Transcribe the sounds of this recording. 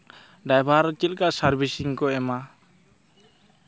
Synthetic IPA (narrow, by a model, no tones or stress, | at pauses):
ɖajbʱaɾt͡ʃilkasaɾbʱisiŋkɔɛma